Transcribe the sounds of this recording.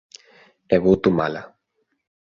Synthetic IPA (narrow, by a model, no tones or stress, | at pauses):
eβut̪umala